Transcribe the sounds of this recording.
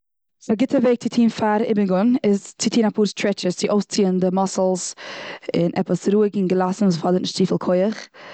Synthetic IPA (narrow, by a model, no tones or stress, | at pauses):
aɡɪtəveːɡ̚t͡sɪtʰiːnfaɾɪ̰bɪɡʊnɪzt͡sɪtʰiːnapʰuːɾstʰɾɹɛt͡ʃəst͡sɪʔoʊst͡siːəndəmɔsl̩ˠz | ɪ̰nʔɛ̰pəsɾuːɪɡɪŋɡəlˠasn̩vuːsfɔdəɾtnɪʃtt͡siːfɪlˠkʰoɪəχ